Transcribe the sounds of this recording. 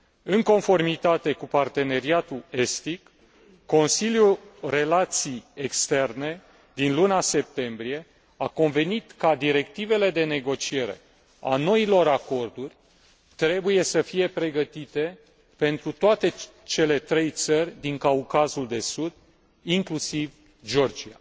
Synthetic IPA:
ɨŋko̞nfo̞rmit̪at̪e̞kupart̪e̞ne̞ɾiat̪uest̪ikː | o̞nsiljure̞lat̪sijekst̪e̞rne̞ | d̪inlunase̞p̚t̪e̞mbɾije̞ | ako̞nve̞nit̪kad̪iɾe̞k̚t̪ive̞le̞d̪e̞ne̞ɡo̞t͡ʃie̞ɾe̞̰ | a̰no̞ilo̞ɾako̞rd̪urʲ | t̪ɾe̞buje̞səfije̞pɾe̞ɡət̪it̪e̞ | pe̞nt̪ɾut̪oat̪e̞ | t͡ʃe̞le̞t̪ɾe̞jt̪sərʲd̪iŋkaukazuld̪e̞sud̪ | iŋklusiv | d͡ʒo̞rd͡ʒia̰

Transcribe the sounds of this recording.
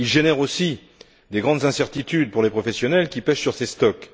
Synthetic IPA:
ilʒenɛʁosi | d̪eɡʁɑ̃d̪zɛ̃sɛʁt̪it̪yd̪̚puʁlepχɔfɛsjɔnɛlkʲipɛʃsyʁsest̪ɔk

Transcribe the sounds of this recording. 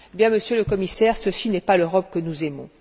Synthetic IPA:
bjɛ̃məsjøləkɔmisɛʁsəsinɛpaløʁɔp̚kənuzɛmɔ̃

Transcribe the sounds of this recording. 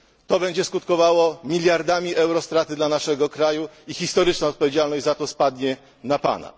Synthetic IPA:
t̪ɔbɛɲd͡ʑɛskut̪̚kɔvawɔmʲilʲjaɾd̪amʲiʔɛwɾɔst̪ɾat̪ɘd̪lanaʂɛɡɔkɾajuixʲist̪ɔɾɘt͡ʂnɔ̃ɔt̪pɔvʲed͡ʑalnɔʑd͡ʑʲzat̪ɔspad̪ɲɛ | napa̰na̰

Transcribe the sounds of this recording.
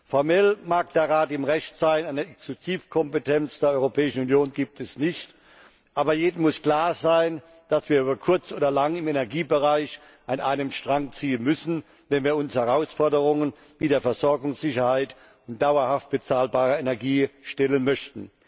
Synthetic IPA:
fɔɐmɛlmaːk̚d̥eːɐʁaːtɪmʁɛçtz̥aɪnaɪnɐɛksuziːfkʰɔmpətʰɛnt͡sd̥eːɐʔɔʏʁopʰɛːɪʃn̩unjoːnɡiːp̚tʰɛsnɪçt | ʔaːbɐjeːdn̩mʊskl̥aːɐzaɪn | d̥asv̥iːɐyːbɐkʰʊɐt͡sʔoːdɐlaŋɪmenɛɐɡiːbəʁaɪç | ʔanʔa̰ɪnəmʃtʁ̥aŋt͡siːənmʏsn̩ | vɛnviːɐʊnshɛʁaʊsfɔɐdəʁʊŋən | viːdeːɐfɛɐzɔɐɡʊŋsz̥ɪçɐhaɪt | ʊnt̚d̥aʊɐhaft̚b̥ət͡saːlbaːʁɐenɛɐɡiːʃtɛlənmœçtn̩

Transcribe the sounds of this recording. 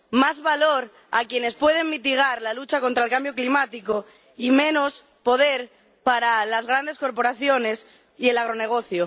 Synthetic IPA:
mazβalo̞ɾ | a̰kje̞ne̞spwe̞ð̞e̞ŋmit̪iɣ̞aɾlalut͡ʃako̞nt̪ɾaelkambjo̞klimat̪iko | imẽ̞nos | po̞ðe̞ɾ | paɾalazɣ̞ɾand̪e̞sko̞ɾpo̞ɾaθjo̞ne̞s | ie̞laɣɾo̞ne̞ɣ̞o̞θjo

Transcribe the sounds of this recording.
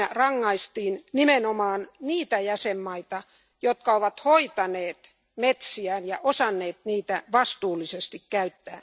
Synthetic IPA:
ærɑŋːɑist̪iːnnimenomɑːnniːt̪æjæsemːɑit̪ɑ | jot̪̚kɑoʋɑt̪hoit̪ɑneːt̪ | met̪siænjɑʔosɑnːeːt̪niːt̪æʋɑst̪uːlːisest̪ikkæyt̪ːæː

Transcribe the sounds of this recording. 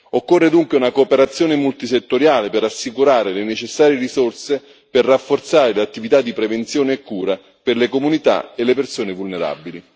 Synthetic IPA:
okːorːed̪uŋkweunakoːpeɾat̪sːjɔːnemult̪iset̪ːoɾjaːlepɪrasːikuɾaːɾelenet͡ʃesːaːɾjeɾisorse | perrːafːort̪saːɾeleat̪ːivit̪ad̪ːipɾevent̪sjɔːneːkːuːɾa | pɪrlekomunit̪a̰elːepersoːnevulneɾa̰bili

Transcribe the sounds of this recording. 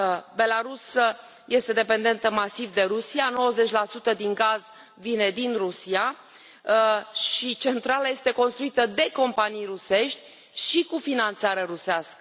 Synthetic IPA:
be̞laɾusə | je̞st̪e̞d̪e̞pe̞nd̪e̞nt̪əmasivd̪e̞ɾusiano̞wəze̞t͡ʃʲlasut̪əd̪iŋɡaz | vine̞d̪inrusia | ʃit͡ʃe̞nt̪ɾalaje̞st̪e̞ko̞nst̪ɾuit̪əd̪e̞ko̞mpanijruse̞ʃt̪ʲ | ʃikufinant̪saɾeɾuseaskə

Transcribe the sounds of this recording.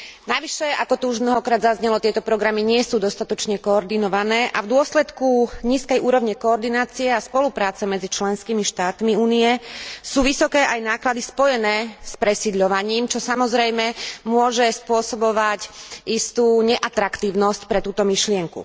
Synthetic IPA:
naʋiʃɛakɔt̪uuʒmnɔɦɔkɾaːd̪zazɲɛlɔt̪ɪɛt̪ɔpɾɔɡɾamiɲɪɛsuːd̪ɔst̪at̪ɔt͡ʃɲɛkɔːɾd̪inɔʋanɛːʔavd̪ʊɔslɛt̪kuɲiːskɛjʔuːɾɔʋɲɛkɔːɾd̪inaːt͡siɛaspɔlupɾaːt͡sɛmɛd͡zit͡ʃlɛnskimiʃt̪aːt̪miuːniɛsuːʋisɔkɛːʔajnaːklad̪ispɔjɛnɛːspɾɛsiːd̪ʎɔʋaɲiːmt͡ʃɔsamɔzɾɛjmɛmʊɔʒɛspʊɔsɔbɔʋacʔist̪uːɲɛʔat̪ɾakt̪iːʊnɔscpɾɛt̪uːt̪ɔmiʃlɪɛŋkṵ

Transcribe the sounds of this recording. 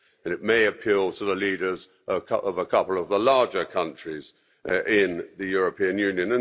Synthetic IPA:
ɨ̃nɨʔ̚meɪɨpʰilˠtʰəðəliɾə˞z | ʔʌʌʔʌvəkʰʌpl̩ˠʌvðəlɑɹd͡ʒə˞kʰʌ̃nt͡ʃɹ̥iz̥ | ɪ̃nðɨjʊɹɨpʰĩɨ̃njʉ̃njɨ̃nə̃

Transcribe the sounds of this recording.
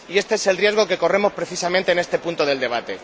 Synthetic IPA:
ie̞st̪e̞ese̞lrje̞zɣ̞o̞ke̞ko̞re̞mo̞spɾe̞θisamẽnt̪eːne̞st̪e̞punt̪o̞ð̞eld̪e̞β̞at̪e̞

